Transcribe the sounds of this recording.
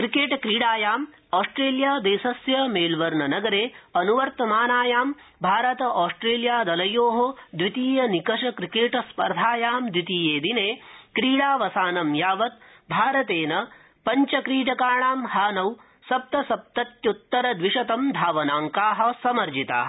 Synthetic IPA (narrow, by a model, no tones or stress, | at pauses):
kɾikeːʈkɾiːɽaːjaːm | aːsʈɾeːljaːd̪eːsɐsjɐmeːlʋɐɾɳɐnɐɡɐɾeːɐnuʋɐɾt̪ɐmaːnaːjaːm | bʱaːɾɐt̪ɐʔaːsʈɾeːljaːd̪ɐlɐjoːɦod̪ʋit̪iːjɐnikɐʂɐkɾikeːʈspɐɾd̪ʱaːjaːmd̪ʋit̪iːjeːd̪ineːkɾiːɽaːʋɐsaːnɐmjaːʋɐt̪̚ | bʱaːɾɐt̪eːnɐ | pɐɲt͡ʃɐkɾiːʈɐkaːɳaːmhaːnɐw | sɐp̚t̪ɐsɐp̚t̪ɐt̪jut̪ːɐɾɐd̪ʋiʂɐt̪ɐmd̪ʱaːʋɐnaːŋkaːɦɐ̆sɐmɐɾd͡ʒit̪a̰ːɦ